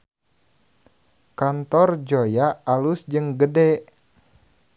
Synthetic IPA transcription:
kant̪ɔrd͡ʒojaalusd͡ʒɨŋɡədɛʔ

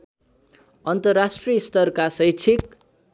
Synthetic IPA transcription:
ʌnt̪ʌrːasʈrijst̪ʌrkasʌjt͡sʰik̚

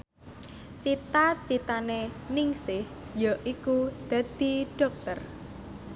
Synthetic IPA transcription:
t͡ʃit̪at͡ʃit̪aneniŋsɪh | jɔʔikud̪̥a̤d̪̥i̤ɖ̥ɔ̤k̚t̪ər

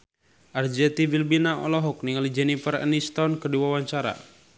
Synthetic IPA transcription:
ʔard͡ʒɛt̪ivilbinaɔ̰lɔɦɔk̚niŋalid͡ʒɛnifərɛ̰nist̪ɔnkədiwawaɲt͡ʃaɾa̰

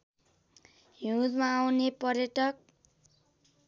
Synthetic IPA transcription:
ɦud̪maːwnepʌrjʌʈʌk̚

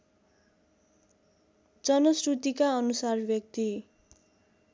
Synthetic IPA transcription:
d͡zʌnʌsrut̪ikaʌnusarbjʌk̚t̪i

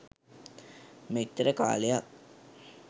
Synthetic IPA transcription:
met̪ːəɾəka̰ːlejak̚

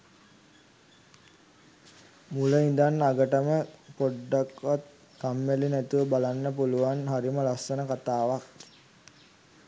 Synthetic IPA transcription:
muləind̪anːaɡəʈəməpoɖːakʋat̪̚ | kamːelinæt̪uʋəbalanːəpuluʋanɦaɾiməlasːənəkat̪aːʋak

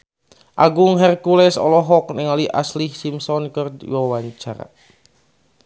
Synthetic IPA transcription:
ʔaɡuŋɦɛrkulɛsɔ̰lɔɦɔknɪŋaliʔa̰slihsimsɔnkərwɔwaɲt͡ʃaɾa̰

